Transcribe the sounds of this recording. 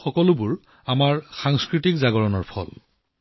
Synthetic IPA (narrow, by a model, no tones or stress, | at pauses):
xɔkɔlʊbuɹ | amaɹxaŋskɹitikzaɡɔɹɔnɔɹpʰɔ̰l